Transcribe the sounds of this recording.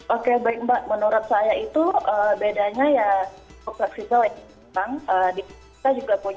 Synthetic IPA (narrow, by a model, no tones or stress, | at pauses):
ʔokebaɪk̚mbaʔ̚mənoɾɔt̪̚sajait̪uəbedaɲajaɔk̚sak̚sit̪a | taŋəːdi | tad͡ʒuɡapuɲ